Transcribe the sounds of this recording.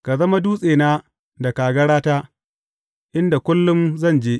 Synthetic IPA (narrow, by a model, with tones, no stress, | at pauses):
ka˨zɐ˦ma˦duː˦sʼeː˨naː˦ | da˨kaː˨ɡɐ˦ɽaː˦taː˦ | ʔɪ˦nda˨kʷʊ˦lːʊ˦mzɐ˦˨nd͡ʒeː˦ʔ